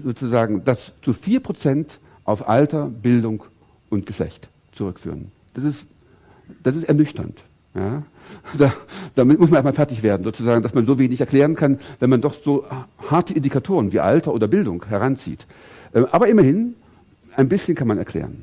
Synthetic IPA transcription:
zoːt͡suzaːɡŋ̩d̥ast͡sufiːɐpʁ̥ot͡sɛnt | ʔaʊfʔa̰ltɐbɪldʊŋ | ʔʊntɡ̥əʃlɛ̰çt | t͡suʁʏkfyːʁən | d̥asɪst | d̥asɪstɛɐnʏçtɐ̰nt | jaː | d̥ad̥aːmɪmʊsmanɛɐsmalfɛɐtɪçv̥eːɐdn̩zoːt͡suzaːɡŋ̩d̥asmanzoːveːnɪçɛɐklɛːʁ̞ənkʰanvɛnmandɔχz̥oːhaɐtəʔɪndikʰatʰoːʁənviːʔa̰ltɐʔoːdɐbɪldʊŋkhɛʁ̞ant͡sḭːt | ʔɛːmʔaːbɐʔɪmɐhɪn | ʔaɪnbɪsçənkʰanmanɛɐkl̥ɛ̰ːʁən

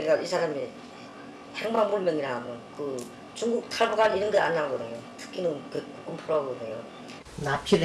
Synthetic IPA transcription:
eɡaʔisʰaɾami | heŋbaŋmuɭmjʌŋiɾaɡokɯ | t͡ɕuŋɡuk̚tʰaɭbuɡaniɾɯnɡʌanːaɡʌdɯɲotʰɯ̥kʰinɯnkek͈uk͈ɯmpʰoɾaɡʌdɯɲo̰ | napʰiɾ

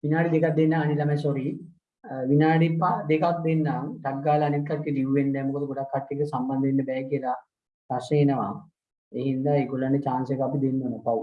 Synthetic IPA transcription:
ʋinaːɽid̪ekat̪̚d̪enːaanilamasoɾi | ʋinaːɖipːad̪ekak̚d̪enːaŋʈakɡaːlɐːnit̪kaʈːid̪iʋʋend̪ɛːmukod̪əɡoɽakʰːaʈːiekəsamband̪enːəbɛːkiəla | paseenəʋa̰ŋ | eɦind̪aeːɡolːanːet͡ʃaːnsekapid̪enːəʋənəpau

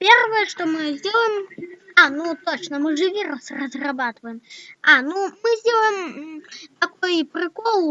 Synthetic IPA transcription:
pʲervɐjɛʂt̪ɔmɨzʲdʲelˠəmanut̪ot͡ʃnɐmɨʐɨvʲiɾɐsrɐzrabat̪ɨvɐjɪmanumɨzʲdʲelˠəjɪm | t̪akɔjpɾɨkɔlˠ

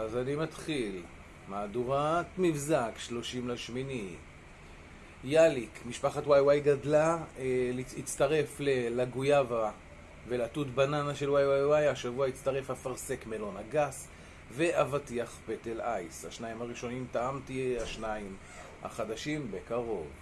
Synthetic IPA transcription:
azanimat̪χil | maːduʁat̪mivzakʃlo̞ʃimlaʃmini | jalikmiʃpaχatwajwajɡadlalit͡st̪aʁe̞flelaɡujava | velatutbananaʃe̞lwajwajwajaʃavuait͡staʁe̞fhafaʁse̞kme̞lo̞naɡas | ve̞ʔavatiaχpetelajsha̰ʃnaimaʁiʃo̞nimtaamtieaʃnaim | ha̰χad̪aʃimbe̞kaʁo̞v

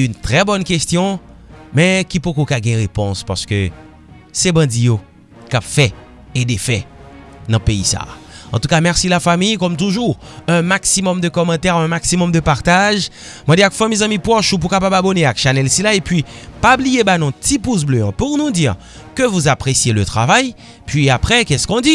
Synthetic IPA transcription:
ynt̪ʁɛbɔnkest̪jɔ̃mɛkipukokaɡɛ̃ʁepɔ̃spa̰ʁsə̥kø | sɛbɑ̃d̪ijo | kapfɛ | ed̪efɛnɐ̃peḭsa̰ | ɑ̰̃t̪ukamɛʁsilafamijkɔmt̪̬uʒuʁ | ɛ̃maksimɔmd̪əkɔmɑ̃t̪ɛʁɛ̃maksimɔmd̪əpaʁt̪aʒ | mɑ̃d̪iakfamizãmĩpwɔʃup̬ukapababɔneakʃanɛlsilaepɥipablijebanɔ̃t̪ipus̬bløɔ̃puʁnud̪iʁ | køvuzapʁesjeløt̪ʁavaj | pɥiapʁɛkɛskɔ̃d̪i

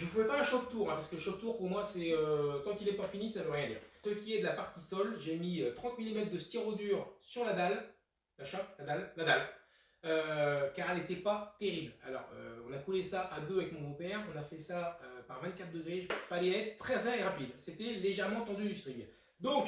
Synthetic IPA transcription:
ʒəəfəzɛpaɛ̃ʃɔk̚t̪uʁɛ̃paskələʃɔk̚t̪uʁpuʁmwasɛøt̪ɑ̃kilɛpafinisaløʁjɛ̃d̪ḭːʁsəkʲiɛd̪əlapaʁt̪isɔlʒemiøt̪χɑ̃t̪milimɛt̪χd̪əst̪iʁod̪yʁsyʁlad̪al | laʃɔplad̪alːad̪al | økaʁɛlet̪ɛpat̪eʁibla̰lɔ̰ʁø̰ɔ̃nakulesaʔad̪øavɛkmɔ̃bõpɛʁɔ̃nafɛsaøpaʁvɛ̃nt̪kat̪χd̪əɡʁeʒfalɛɛt̪χt̪ːχɛʁɛ̃eʁapid̪set̪ɛleʒɛʁmɑ̃t̪ɑ̃d̪yd̪yst̪χiɡ | d̪ɔ̃k

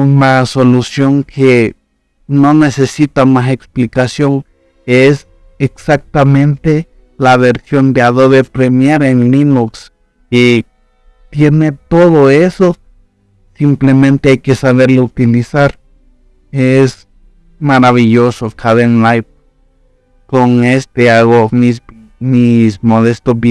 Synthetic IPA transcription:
unasolusjoŋkʰe | nonesesit̪amaseksplikasjoŋ | es | eksak̚t̪amẽnt̪e | laβeɾsjond̪eaðoβepɾemjeɾenlinuks | i | t̪jenet̪oðoeso | simplemẽnt̪eajkesaβeɾlout̪ilisaɾ | es | maɾaβiʝosokʰaðenlajp̚ | koŋest̪eaɣomis | mismoðest̪ob

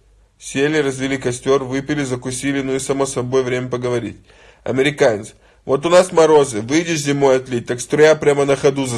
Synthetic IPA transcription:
sʲelʲɪrəzvʲɪlʲikɐsʲtʲo̞rvɨpʲɪlʲɪzəkʊsʲilʲɪnuisɐmosɐbo̞jvɾʲemʲəpəɡəvɐɾʲḭtʲ | ɐ̰mʲɪɾʲɪkanʲɪt̪s | vo̞t̪ʊnasmɐɾo̞zɨvɨjdʲɪʂzʲɪmo̞jɐt̪lʲit̚ʲt̪akst̪ɾʊjapɾʲamənəxɐd̪uz

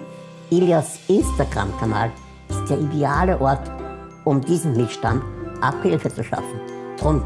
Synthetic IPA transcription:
ʔiljasʔɪnstaɡ̥ʁa̰mkʰana̰ːl | ɪstd̥eːɐʔideaːləʔɔɐt | ʊmdiːzəm̩mɪtʃtantʔaphɪlfət͡suʃa̰fn̩tʁʊn

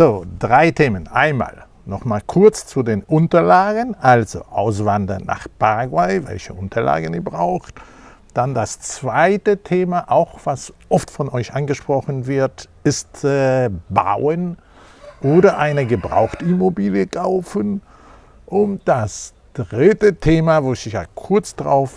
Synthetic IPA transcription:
zoːd̥ʁaɪtʰeːmənʔa̰ɪnma̰ːl | nɔχmaːlkʰʊɐt͡st͡sudeːnʔʊntɐlaːɡənʔalzo̰ʔaʊs̬v̥andɐnnːa̰ːχpaʁaɡwaɪvɛ̰lçəʔʊntʰɐla̰ːɡən̩iːɐbʁaʊxt | d̥andast͡sv̥aɪtətʰeːmaʔaʊxv̥asʔɔftfɔnʔɔʏçʔanɡəʃpʁ̥ɔχənvɪɐt | ɪstɛba̰ʊən | ʔoːɾɐʔaɪnəɡəbʁa̰ʊxtimobiːljəkʰaʊfən | ʔʊntd̥as | d̥ʁɪtətʰeːmavoːsɪçja̰ːkʰʊɐt͡sd̥ʁa̰ʊf

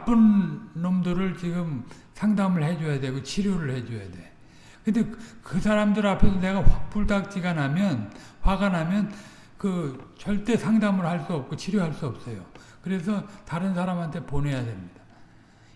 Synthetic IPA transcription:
p͈ɯnːomdɯɾɯɭt͡ɕiɡɯm | sʰaŋdamɯɭhe̞d͡ʑojadwe̞ɡot͡ɕʰiɾjoɾɯɭhe̞d͡ʑoja̰de̞ | kɯnde̞kɯsʰaɾamdɯɾapʰe̞sʰʌne̞ɡaɸak̚p͈uɭdak̚t͡ɕ͈iɡanɦamjʌnɸwaɡanɦamjʌn | kɯt͡ɕʌɭt͈e̞sʰaŋdamɯɭhaɭs͈uʌp̚k͈ot͡ɕʰiɾjoɦaɭs͈uʌp̚s͈ʌjo | kɯɾe̞sʰʌtaɾɯnsʰaɾamɦantʰe̞pone̞jadwe̞mɲid̥a

